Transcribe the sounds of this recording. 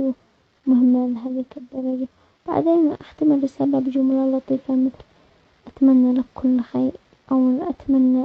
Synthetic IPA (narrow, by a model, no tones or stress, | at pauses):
u | mʊhɪmːalɦaːðikɪd̪ːɑɾˤɑd͡ʒa | b̥a̰ʕd̪eːnʔaħt̪amɪlːɪsaːbabd͡ʒʊmlalɑt̪ˤiːfamɪθl | ʔat̪amanːalakʰʊlːxaːɾ | ʔawʔat̪amanːa